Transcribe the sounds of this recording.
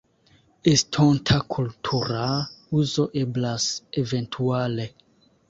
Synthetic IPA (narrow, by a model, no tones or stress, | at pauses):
estʰontʰakʰultʰuɾauzo̞ʔeblaseventʰuale